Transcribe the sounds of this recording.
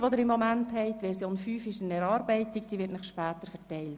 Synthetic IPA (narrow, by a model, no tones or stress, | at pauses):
ʋod̪ɪɾɪmːɔmænthɛɪtːʋɛɾsjoːnfyːfɪʃənɛɾɑːɾbɛɪtɪk̚d̥iːʋɪtnɪχʃpæːt̪əɾfɛtɛɪlt